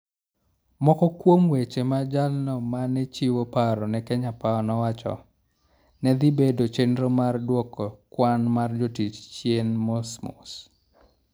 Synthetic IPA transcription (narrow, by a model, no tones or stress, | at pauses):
mɔkɔkwomwet͡ʃemad͡ʒalnɔmanɛt͡ʃiwopaɾɔnɛkɛɲapaɔnɔwat͡ʃɔ̰ | nɛd̪ibedot͡ʃenɾomardwɔkɔkwanmard͡ʒotit͡ʃt͡ʃjenmɔsmɔ̰s